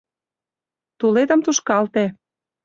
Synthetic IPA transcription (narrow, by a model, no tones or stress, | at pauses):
t̪uled̪ə̆mt̪uʃkɑlt̪e